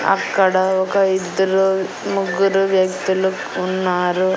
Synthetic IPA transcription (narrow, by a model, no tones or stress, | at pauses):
ɐ̰kːɐɽɐɔkɐid̪ːɐɾu | muɡuɾuʋjɐkt̪ilukunːaːɾu